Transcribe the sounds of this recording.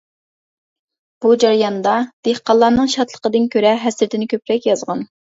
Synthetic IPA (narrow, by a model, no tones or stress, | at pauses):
b̥ud͡ʒɑɾjɑnd̪ɑd̪̥ehqɑlˠːɑɾnɨŋʃɑt̪ʰlˠə̥qəd̪ɨnkʲʰøɾɛɦɛsɾɪt̪ʰɪnɪkʲʰøpɾɛkʲjɑzʁɑn